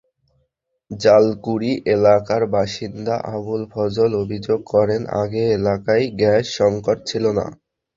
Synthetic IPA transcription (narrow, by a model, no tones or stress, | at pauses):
d͡ʑalkuɾiʔelakaɾbaʃind̪aʔabulfʰɔd͡ʑolobʱid͡ʑoɡ̚kɔɾena̰ɡeelakajɡɛʃːɔŋkoʈ̚t͡ɕʰilona̰